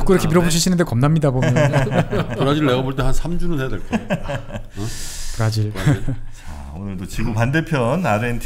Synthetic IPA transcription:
k͈oiɾʌkʰemiɾʌboɕʰiɕʰinɯndekʌmnamɲidabomjnkɯɾad͡ʑiɾɯɭneɡaboɭt͈eɦansʰamd͡ʑunɯnhejadeɭk͈a | kɯɾad͡ʑiɭt͡ɕa̰ | onɯɭdot͡ɕiɡopande̞pʰjʌnaɾentʰ

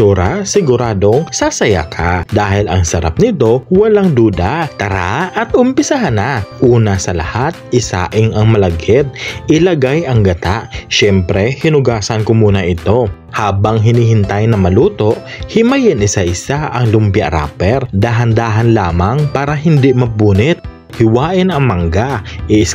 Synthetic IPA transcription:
tuːɾasɪɡʊɾaːd̪o̞ŋsasɐja̰kʰad̪aːhɪlɐŋsɐɾa̰p̚nɪt̪o̞wɐlaŋd̪uːd̪at̪ɐɾaʔɐt̪ʔʊmpɪsaɦanaʔuːnɐsɐlɐ̰hat̪̚ʔɪsa̰ːʔɪŋɐŋmɐlɐɡɛt̪̚ʔɪlɐɡajɐŋɡɐt̪aʔʃɛmpɾɛhɪnʊɡaːsɐnkʊmuːnɐʔɪt̪o̞ | haːbɐŋɦɪniːhɪnt̪ajnɐmɐluːt̪o̞ʔ | hɪmajɪnʔɪsaʔɪsaʔɐŋlʊmpjɐʔɾa̰ːpɛɾd̪aːɦɐnd̪aːɦɐnlaːmaŋpaːɾɐɦɪnd̪iʔmɐbuːnɪt̪̚ | hɪwaːʔɪnɐŋmɐŋɡaʔɪʔɪs

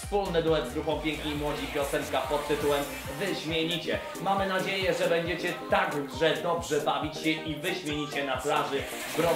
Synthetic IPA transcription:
fspulnɘd̪umɛd̪zɡ̪ɾuxɔ̃w̃pʲjɛ̃ŋkɲejmwɔd͡ʑipʲjɔsɛŋkapɔt̪ːɘt̪uwɛm | vɘɕmʲjeɲit͡ɕɛ | mamɘnad͡ʑejɛʐɛbɛɲd͡ʑet͡ɕɛt̪aɡʐɛd̪ɔbʐɛbavʲit͡ɕɕɛʔivɘɕmʲjeɲit͡ɕɛnaplaʐɘ | bɾɔ

